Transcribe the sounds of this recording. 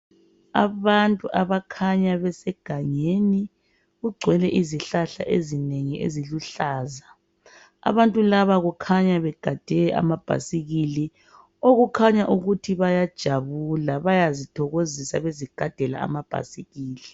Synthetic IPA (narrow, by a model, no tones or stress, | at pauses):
a̰βantʼuʔaβakʰaɲaβɛsɛɡ̥ʱaɲeni | ɣuɡ͡ǀʱwɛlɛʔiziɬaɬa̰ʔezineŋiʔḛziluɬaːza | a̰βantʼulaβaɣukʰaɲaβɛɡ̥ʱad̥ʱɛɛʔa̰mab̥ʱa̰siɣili | oɣukʰaɲaʔuɣutʰiβajad̥ʒ̥ʱaβulaβajazitʰɔɣozisaβeziɡ̥ʱad̥ʱɛla̰a̰mab̥ʱa̰siɣiːli